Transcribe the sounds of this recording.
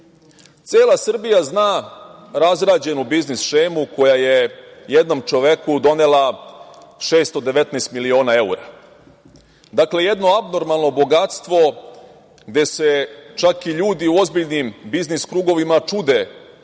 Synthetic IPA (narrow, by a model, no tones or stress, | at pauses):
t̪seːlˠasr̩bijaznaːɾazɾaːd͡ʑe̞nubiznisʃeːmuko̞jajejed̪no̞mt͡ʃo̞ʋe̞kud̪o̞nela | ʃe̞ːst̪o̞d̪e̞ʋe̞t̪nɛst̪milio̞ːnae̞uɾa | d̪akleje̞d̪no̞abno̞ɾmalˠno̞bo̞ɡat̪st̪ʋo̞ | ɡd̪e̞se̞t͡ʃakiʎuːd̪iuo̞zbiʎnimbizniskɾuːɡo̞ʋimat͡ʃud̪e